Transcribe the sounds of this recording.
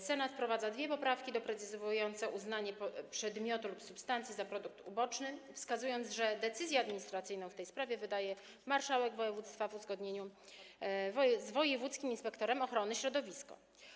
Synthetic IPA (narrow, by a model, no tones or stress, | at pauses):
sɛnat̪fpɾɔvad̪zad̪vʲjɛpɔpɾafkʲid̪ɔpɾɛt̪sɘzɔvujɔnt̪sɛʔuznaɲɛppʂɛd̪mʲjɔt̪ulupsupst̪ant̪sʲjizapɾɔd̪uk̚t̪ubɔt͡ʂnɘfskazujɔnzʐɛd̪ɛt̪sɘzʲjɛad̪mʲiɲist̪ɾat̪sɘjnɔ̃w̃ft̪ɛjspɾavʲjɛvɘd̪ajɛ | maɾʂawɛɡvɔjɛvut̪st̪favuzɡɔd̪ɲeɲu | vzvɔjɛvut̪skʲiminspɛkt̪ɔɾɛmɔxɾɔnɘɕɾɔd̪ɔvʲiskɔ̰